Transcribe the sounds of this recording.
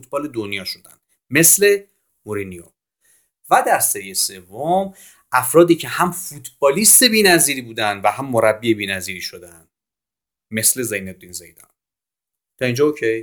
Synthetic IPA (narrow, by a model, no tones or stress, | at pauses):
fut̪ʰbɒːle̞d̪onjɒːʃo̞d̪æ̰nd̪̥ | me̞sle̞ | moɾinijo̰ | væd̪æɾsæɾijese̞vːom | ʔæfɾɒːd̪iːcʰe̞hæmfut̪ʰbɒːliːst̪e̞biːnæziːɾiːbuːd̪ænd̪væhæmːoɾæbːiebiːnæziːɾiːʃod̪ænd̪ | me̞sle̞zejneb̚d̪iːnzḛjd̪ɒ̰n | t̪ʰɒind͡ʒɒːocʰej